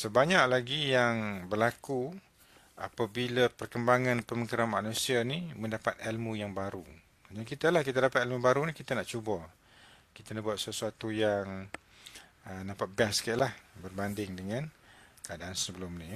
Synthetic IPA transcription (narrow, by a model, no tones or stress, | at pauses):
səbaɲaʔ̚laɡijaŋbərlaku | a̰pabilapərkəmbaŋãnpəməkəɾamanũsianimə̃ndapat̪̚ɛlmũjaŋbaɾu | ad͡ʒaŋkit̪alahkit̪adapat̪ɛlmubaɾunikit̪anaʔt͡ʃubɔ | kit̪anahbuat̪̚səsuat̪ujaŋ | ənapat̪̚biaskaaʔlahbərbandɪŋdəŋãnkəadaansəbəlʊmni